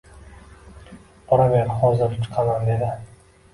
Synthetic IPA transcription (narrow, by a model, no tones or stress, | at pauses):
ɒɾabeɾχɒzɪɾt͡ʃʰɨ̥qʰɑmand̪e̞d̪ɪ